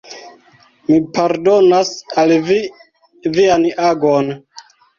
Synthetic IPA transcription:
mipaɾdonasalvi | vianaɡon

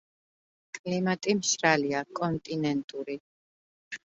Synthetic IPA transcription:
kʼlimat̪ʼimʃɾaliakʼɔnt̪ʼinɛnt̪ʼuɾi

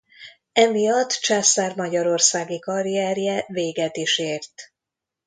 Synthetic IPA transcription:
ɛmijɒt̪ːt͡ʃaːsaːrmɒɟɒɾo̞rsaːɡikɒɾiɛːrjɛveːɡɛt̪iʃeːrt̪

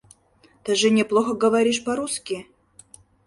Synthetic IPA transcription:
t̪ɨʐɨnʲɪplˠoxəɡəvɐɾʲiʂpɐɾuskʲɪ

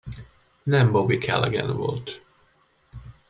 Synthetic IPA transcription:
nɛmbobikʰɛ̰lɛɡɛ̰nvo̞̰lt̪

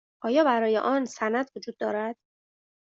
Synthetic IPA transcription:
ʔɒːjɒːbæɾɒːjḛʔɒːnsænæd̪vod͡ʒuːd̪̥̚ːɒːɾæd̪̥

